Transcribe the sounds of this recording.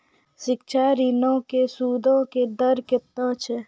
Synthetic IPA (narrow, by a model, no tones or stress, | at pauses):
ʃɪkʃʰaɾinõkesuːd̪ʱõked̪əɾket̪ə̃ːt͡ʃʰɛ